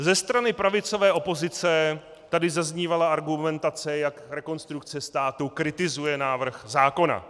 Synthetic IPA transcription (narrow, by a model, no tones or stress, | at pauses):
zɛst̪ɾanɪpɾavɪt͡so̞vɛːʔo̞po̞zɪt͡sɛ | t̪adɪzazɲiːvalaʔaɾɡumɛnt̪at͡sɛjakɾɛko̞nst̪ɾukt͡sɛst̪aːt̪ukɾɪt̪ɪzujɛnaːvr̩xzaːko̞na̰